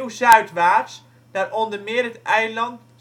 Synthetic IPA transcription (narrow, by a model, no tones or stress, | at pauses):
wzœɥtʋaːs | d̥arɔndərmɪːərətɛjlɑnt